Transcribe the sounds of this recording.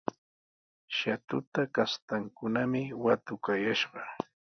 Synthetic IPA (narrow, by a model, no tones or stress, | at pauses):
ʃat̪ʊt̪akast̪aŋkʊnamɪwat̪ʊkajaʃɢɑ